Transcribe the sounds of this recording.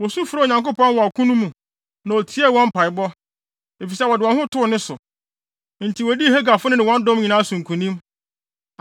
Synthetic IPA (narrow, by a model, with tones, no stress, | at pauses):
wɔ˨su˦fʊ˨ɾɲã˨ŋko˦pɔ̃˦n˦wɔ˨a˨kʰũ˦nũ˦mũ˨ | nã˨o˨tʰi˨˦ɛ˦˨wɔ̃˦m˦pʰa˨ɪ˨bɔ˦ | e˨fi˨sɛ˦wɔ˨dɪ˨wɔ̃˨nhʊ̃˦tʰʊ˦˨nɪ̃˦sʊ˨ | n̩˨tʰi˨wɔ˨di˦˨he˦ɡa˨fʊ˦nɪ̃˦nɪ̃˨wɔ̃˦n˦dʊ̃˦mɲĩ˨nãː˦a˦sũ˨ŋ˨kʰũ˨nĩ˦m